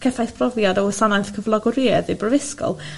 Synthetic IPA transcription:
kʰɛθajθpʰrɔvjadɔwəsanajθkʰəvlˠɔɡɔɾiɛðibrəvɪskɔ̰lˠ

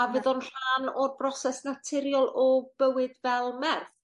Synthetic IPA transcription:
avɨðɔnr̥aːnɔrbrɔsɛsnatʰɪɾjɔlˠɔb̥əwɨdvɛlˠmɛrθ

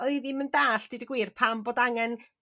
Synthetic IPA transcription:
oɨðiməndaːɬd̥idəɡwiːrpʰamboːdaŋɛn

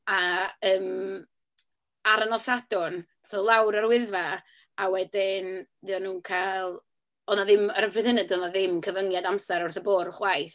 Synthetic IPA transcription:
aəːm | aɾanɔsad̥ʊn | θəlˠawɾarwɪðva | awɛdɪnðɨɔnuːnkʰajlˠ | ɔnaðɪmaɾəpʰrɪðənədɔnaðɪmkʰəvəŋjadamsaɾʊrθəboːɾχwajθ

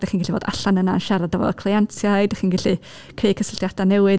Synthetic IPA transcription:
d̥aχiːnɡɛɬivo̰ːda̰ɬanənaənʃɛɾadavɔ̰kʰlˠiɛntʰjaɨdaχiːnɡɛɬi | kʰejkʰəsəlɬdjad̥anɛwɨ

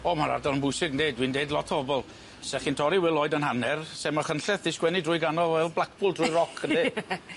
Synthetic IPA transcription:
ɔmaɾa̰rdɔlˠənbʊjsɪɡndeːdwiːndeːdlɔtʰɔbɔlˠ | sɛχintʰɔɾiwɪlˠoːɨdənɦanɛrsɛməχənɬɛθɪskwɛnɪdrʊːjɡanɔlˠwɛlˠblˠak̚ʰb̥ʊlˠdrʊjɾɔkʰəne

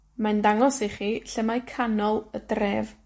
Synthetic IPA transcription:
mandaŋɔsiχiːɬəmajkʰanɔlˠədreːv

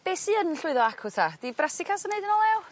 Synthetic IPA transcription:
b̥eːsiənɬʊɨðɔakʰʊtʰad̥ibrɛsɪkʰasənejdənɔlˠɛw

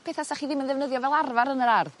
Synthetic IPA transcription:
pʰɛːθasaχiːðɪmənðɛvnəðjɔvɛlˠarvaɾənəɾarð

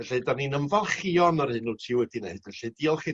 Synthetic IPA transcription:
ɛɬɛdaninəmvalˠχiɔnɔrhɨnutʰiwɛdineɨdvɛɬɛdiːɔlˠχi

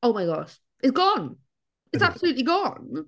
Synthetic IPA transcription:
oʊmaɪɡɔʃ | ɪtsɡ̥ɔ̃n | ɪtsab̥səlʉˑʔliɡɔ̃n

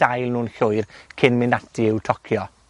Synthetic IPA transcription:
ajlˠnuːnɬʊjrkʰɪnmɪnatʰiɪwtʰɔkʰjɔ

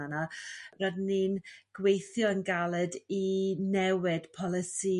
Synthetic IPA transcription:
anaradninɡ̥wejθjɔənɡalˠɛdinɛwɪd̥pʰɔlˠɪsi

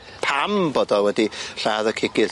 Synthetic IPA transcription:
pʰambɔːdɔwɛdiɬaːðəkʰɪɡɪ

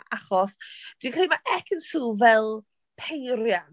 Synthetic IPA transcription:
ʔaχɔsd̥wikʰrejmaʔɛkʰənsuːvɛlˠ | pʰejɾjan

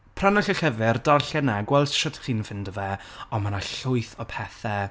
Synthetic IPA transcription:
pʰranɔɬəɬəvɪrdɔrɬɛnaɡwɛlˠsʃɔd̥χiːnfɪndəvɛɔmanaɬʊɨθɔpʰɛθɛ

